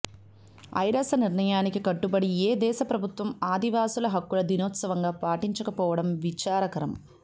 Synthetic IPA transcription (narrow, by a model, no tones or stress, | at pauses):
ɐ̰jɾɐsɐniɾɳɐjaːnikikɐʈːubɐɽieːd̪ɛːʃɐpɾɐbʱut̪ʋɐmaːd̪iʋaːsulɐɦɐkːulɐd̪inɔːt̪sɐʋɐŋɡaːpaːʈiɲt͡ʃɐkɐpɔːʋɐɽɐmʋit͡ʃaːɾɐkɐɾɐm